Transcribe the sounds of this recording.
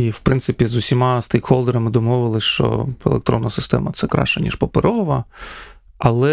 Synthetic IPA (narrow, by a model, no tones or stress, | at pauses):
iwpɾɪnt̪sɪpʲizʊsʲimɑst̪ejkxɔlˠd̪eɾɐmɪd̪ɔmɔʋɪlˠɪʃt͡ʃɔ̰ḛlˠek̚t̪ɾɔ̰nːɐsɪst̪ɛmɐt̪sɛkɾɑ̰ʃt͡ʃɐnʲḭʃpɔpeɾɔʋɐ | ɐlˠɛ